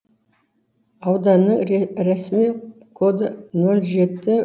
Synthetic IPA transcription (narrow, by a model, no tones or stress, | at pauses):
ɑwd̪ɑnəɴɾæsmikʰod̪nolˠʒe̞t̪ːɪ